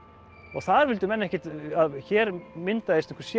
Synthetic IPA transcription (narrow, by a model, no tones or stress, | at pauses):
ɔ̰ɣθaðɾvɪlt̪ʏmɛnːaɛhcɪt̪aðçɛːɾmɪnt̪aðest̪ɪ̥̃ŋ̥kvɾsj